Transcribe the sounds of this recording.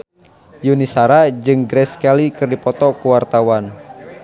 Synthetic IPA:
junisaɾad͡ʒɨŋɡɾɛskalikɨrdipɔt̪ɔkuwart̪awan

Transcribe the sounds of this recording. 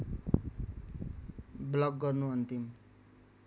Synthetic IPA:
blʌk̚ɡʌrnuʌnt̪im

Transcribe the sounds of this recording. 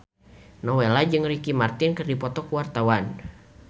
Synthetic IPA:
nɔwelad͡ʒɨŋrikimart̪ɪnkɨrdipɔt̪ɔkuwart̪awan

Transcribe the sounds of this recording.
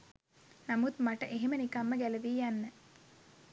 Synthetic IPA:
namut̪maʈəʔeɦemənikamːəɡæleʋiːjanːə

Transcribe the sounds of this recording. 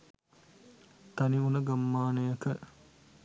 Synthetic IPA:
t̪ɐniunəɡamːaːnejəkə

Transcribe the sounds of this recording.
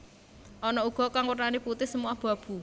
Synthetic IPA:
ʔɔnɔuɡ̥ɔ̤kaŋwərnaniput̪ɪhsəmuahb̥ä̤b̥ṳ

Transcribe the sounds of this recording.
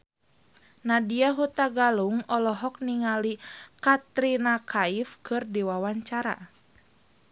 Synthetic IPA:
nadiaɦut̪aɡaluŋɔlɔɦɔk̚niŋalikat̪ɾinakaifkɨrdiwawaɲt͡ʃaɾa̰

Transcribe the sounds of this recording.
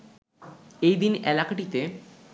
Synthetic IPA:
ejd̪inɛlakaʈit̪e

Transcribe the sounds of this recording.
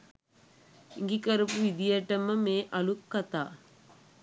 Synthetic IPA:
iŋɡikəɾupuʋid̪ijəʈəməmeːʔɐlukːat̪a̰ː

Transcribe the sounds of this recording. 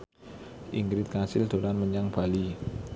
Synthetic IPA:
ʔiŋɡɾɪt̪̚kasɪld̪̥o̤ɾanməɲaŋb̥a̤li

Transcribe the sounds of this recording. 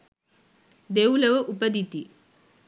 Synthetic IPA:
d̪ewuləʋəʔupəd̪it̪i

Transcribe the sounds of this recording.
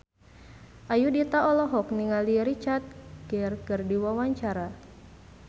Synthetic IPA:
ʔajudit̪aɔlɔɦɔkniŋaliɾit͡ʃart̪̚ɡ̥ɛrkɨrdiwawaɲt͡ʃaɾa

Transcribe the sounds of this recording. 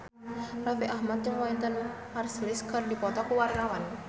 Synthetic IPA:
rafiʔahmat̪̚t͡ʃʊŋwaint̪ən | marsilɪsɡərdipɔt̪ɔkuwarnawan

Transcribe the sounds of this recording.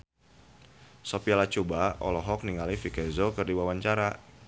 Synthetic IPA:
sɔpialat͡ʃubaɔ̰lɔɦɔk̚niŋalifikɛzɔkərdiwawaɲt͡ʃaɾa

